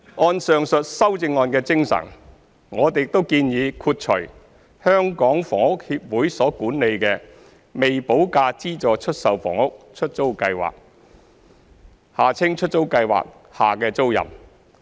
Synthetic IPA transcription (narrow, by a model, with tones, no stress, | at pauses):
ɔː˧nsœː˨ŋsɵ˨t̚sɐ˥wt͡sɪ˧ŋɔː˧nkɛː˧t͡sɪ˥ŋsɐ̰˨˩n | ŋɔː˨˧t̪e˨jɪk̚t̪o˥wkiː˧njiː˨˧kʰuː˧t̚t͡ʃʰɵ̰˨˩ | hœː˥ŋkɔː˨˥ŋfɔː˨˩ŋʊ˥k̚hiː˧p̚wuː˨˥jsɔː˨˥kuː˨˥nne˨˧jkɛː˧ | me˨jpo˨˥wkaː˧t͡siː˥t͡ʃɔː˨t͡ʃʰɵ˥t̚sɐ˨wfɔ̰ː˨˩ŋʊ˥k̚t͡ʃʰɵ˥t̚t͡so˥wkɐ˧jwa̰ː˨k̚ | haː˨t͡sʰɪ˥ŋt͡ʃʰɵ˥t̚t͡so˥wkɐ˧jwa̰ː˨k̚ | ha̰ː˨kɛː˧t͡so˥wjɐ̰˨˩m